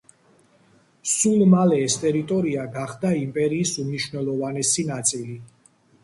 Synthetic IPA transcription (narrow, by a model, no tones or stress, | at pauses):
sulˠmalɛːst̪ʼɛɾit̪ʼɔɾiaɡaχd̪aimpʼɛɾiːsumniʃwvnɛlˠɔvanɛsinat̪sʼili